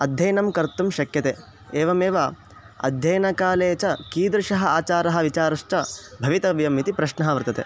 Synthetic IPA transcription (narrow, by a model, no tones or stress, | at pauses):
ɐd̪ʱjɐjnɐmkɐɾt̪umʃɐkjɐt̪eː | eːʋɐmeːʋa | ɐ̰d̪ʱjɐjnɐkaːleːt͡ʃɐkiːd̪ɾʂɐɦɐaːt͡ʃaːɾɐɦɐ̆ʋit͡ʃaːɾɐʂt͡ʃɐbʱɐʋit̪ɐʋjɐmit̪ipɾɐʃnɐɦɐʋɐɾt̪ɐt̪ḛː